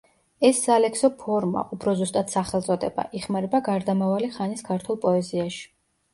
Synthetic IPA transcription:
ɛsːalɛksɔpʰɔɾma̰ʔupʰɾɔzust̪ʼat̪saχɛlˠt̪sʼɔd̪ɛba̰ʔiχmaɾɛbaɡaɾd̪amavaliχaniskʰaɾt̪ʰulˠpʼɔɛziaʃi̥

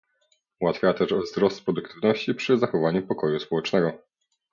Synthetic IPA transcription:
wat̪fʲjat̪ɛʐvzɾɔst̪pɾɔd̪ukt̪ʰɘvnɔɕt͡ɕipʂɘzaxɔvaɲupɔkɔjuspɔwɛt͡ʂnɛɡɔ

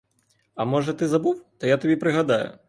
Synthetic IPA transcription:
ɐmɔʐɐt̪ɨzabuwt̪ɔjat̪abʲɛpɾɨɣad̪ajʊ̰

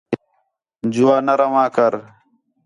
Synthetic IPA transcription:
d͡ʑuwaːnɐɾɐwãːkɐɾ

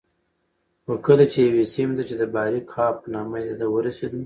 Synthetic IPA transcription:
xokəlat͡ʃejawesimd̪at͡ʃed̪əbɑɾikʰɑp̚nɑmaed̪awəɾased̪u

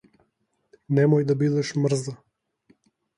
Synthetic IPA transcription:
nɛmojd̪abid̪ɛʃmr̩za

